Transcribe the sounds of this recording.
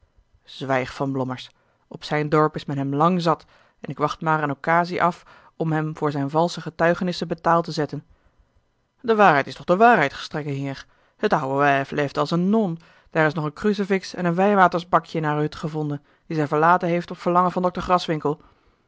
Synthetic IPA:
z̥ʋɛjχfɑnblɔməɹs | ɔpsɛjndɔɹpɪsmɛnɦɛmlɑŋzɑt | ɛnɪkʋɑχtmaːɾənokaːziʔɑf | ɔmɦɛmvʊːɹzɛjnvɑlˠsəχətœɥχənɪsəbətaːlˠtəzɛtən | dəʋaːɹɦɛjtɪ̥stɔχdəʋaːɹɦɛjtχə̥strɛkənɦiːɹ | hətɑwəʋɛfleɛjftɑlˠsənːɔn | d̥aːɹɪsnɔχənkrys̬ɪfɪksɛ̰nənʋɛjʋaːtəɹzbɑkjəɪnaːɹɦɵtχəvɔndən | d̥izɛjvəɹlaːtənɦejftɔpfəɹlɑŋənvɑndɔk̚təɹχrɑsʋɪŋkəlˠ

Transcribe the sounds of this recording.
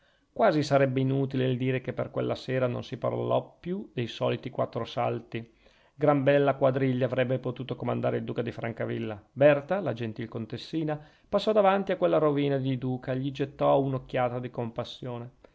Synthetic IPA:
kwaːzisaɾɛbːeinuːt̪ileild̪iːɾekepːerkwḛlːaseːɾano̰nsipa̰r̰lɔpːjud̪ejsɔ̰ːlit̪ikwa̰t̪ːɾosa̰lt̪i | ɡɾambɛlːakwad̪ɾiʎːaavɾɛbːepot̪uːt̪okomand̪a̰ːɾeild̪uːkad̪ifɾaŋkavilːabɛrt̪alad͡ʒent̪ilkont̪esːiːna | pasːɔd̪avant̪iakwelːaɾoviːnad̪id̪uːkʰaeʎid͡ʒet̪ːɔaunokːjaːt̪ad̪ikompasːjoːne

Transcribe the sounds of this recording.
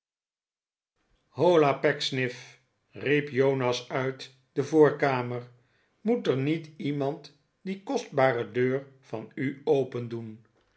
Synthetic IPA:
howlapɛksnɪf | ripjownɑsœɥt | dəvʊːɹkaːməɹ | mutəɹnitimɑnt | dikɔsd̚baːrədøːɹv̥ɑnyowpəndun

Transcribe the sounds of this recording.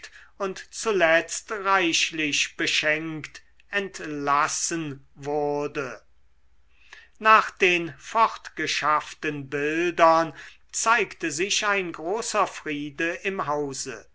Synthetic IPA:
tʊntt͡sulɛt͡stʁaɪɕlɪɕb̥əʃɛŋkt | ɛntlasənvʊʁdə | naːχd̥eːnfɔχtɡ̥əʃaftənbɪldɐn | t͡saɪktəzɪʃaɪnɡʁoːsɐfʁiːdəʔɪmɦaʊzə̰

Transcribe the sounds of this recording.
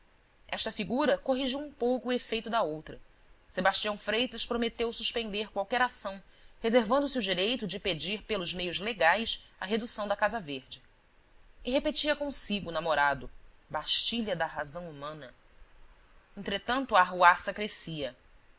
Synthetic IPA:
ɛʃt̪ɐfiɡuɾɐkoɦiʒiwũpowkʊːefejt̪ʊd̪ɐowt̪ɾɐ | sebaʃt͡ʃiɐ̃w̃fɾejt̪ɐʃpɾomet̪ewsuʃpẽnd̪eɾkwawkɛɾasɐ̃w̃hezeɾvɐ̃nd̪ʊsiud͡ʒiɾejt̪ʊd͡ʒɪped͡ʒiɾpelʊzmejʊzleɡajsɐɦed̪usɐ̃w̃d̪ɐkazɐveɾd͡ʒɪ | ɪɦepet͡ʃiɐkõsiɡʊːnamoɾad̪ʊbaʃt͡ʃiʎɐd̪ɐɦazɐ̃w̃umɐ̃nɐ | ẽnt̪ɾet̪ɐ̃nt̪ʊɐaːɦuasɐkɾesiɐ

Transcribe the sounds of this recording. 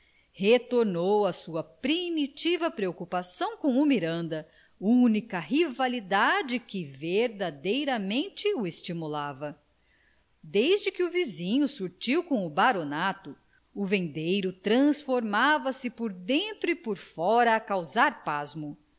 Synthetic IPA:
het̪oɾnowɐsuɐpɾimit͡ʃivɐpɾeokupasɐ̃w̃kõw̃ʊmiɾɐ̃nd̪ɐ | unikɐɦivalid̪ad͡ʒɪkɪveɾd̪ad̪ejɾɐmẽnt͡ʃɪʊest͡ʃimulavɐ | d̪ejzd͡ʒɪkɪʊvizĩɲʊsuɾt͡ʃiwkõʊbaɾonat̪ʊ | ʊvẽnd̪ejɾʊt̪ɾɐ̃sfoɾmavɐsɪpoɾd̪ẽnt̪ɾʊɪpoɾfɔɾɐːkawzaɾpazmʊ

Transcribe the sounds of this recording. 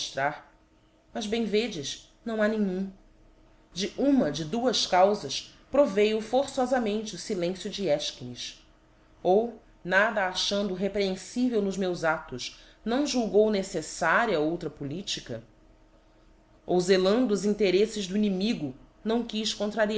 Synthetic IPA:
ʃt̪ɾaɾ | mɐzbẽj̃ved͡ʒɪʃ | nɐ̃w̃anẽɲũ | d͡ʒɪʔũmɐd͡ʒɪd̪uɐʃkawzɐʃpɾovejʊfoɾsɔzɐmẽnt͡ʃɪʊsilẽsjʊd͡ʒɪɛʃkiniʃ | ow | nad̪ɐaʃɐ̃nd̪ʊɦepɾeẽsivewnʊzmewzat̪ʊʃ | nɐ̃w̃ʒuwɡownesesaɾiɐowt̪ɾɐpulit͡ʃikɐ | owzelɐ̃nd̪ʊːzĩnt̪eɾesɪʒd̪ʊinimiɡʊ | nɐ̃w̃kiʃkõnt̪ɾaɾia

